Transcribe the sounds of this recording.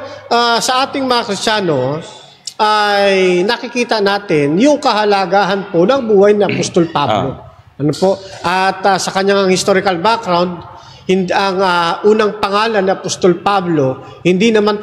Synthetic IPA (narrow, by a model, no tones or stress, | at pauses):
ʔasɐʔaːt̪ɪŋmɐŋakɾɪstt͡ʃaːno̞ | ʔajnɐkɪkiːt̪ɐnaːt̪ɪnjʊŋkɐhɐlaɡaːɦɐnponɐŋbuːhɐjniʔɐpost̪olpablo | ʔɐnopo̞ʔʔɐt̪asɐkɐɲaŋɐŋhɪst̪oɾɪkɐlbakɾawnd̪̚ | hɪnd̪ʔɐŋaʔuːnɐŋpɐŋaːlɐnːiʔɐpost̪olpablo̞ | hɪnd̪inɐman